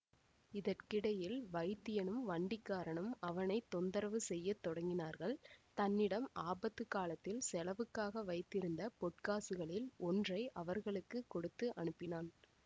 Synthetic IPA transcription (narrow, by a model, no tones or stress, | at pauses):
ɪðɐrkɪɽɐjɪlʋɐɪt̪ːɪjɐnɯmʋɐɳɖɪkːaːɾɐɳɐmɐʋɐnɐɪt̪ːɔnd̪ɐɾɐʋɯsɛjːɐt̪ːɔɽɐŋɡɪnaːɾɣɐɭt̪ɐnːɪɽɐmaːbɐt̪ːɯkaːlɐt̪ːɪlsɛlɐʋɯkːaːɣɐʋɐɪt̪ːɪɾɯnd̪ɐpɔʈ̚kaːsɯɣɐɭɪlɔndrɐɪʔɐʋɐɾɣɐɭɯkːɯkːɔɽɯt̪ːɯʔɐɳɯpːɪnaːn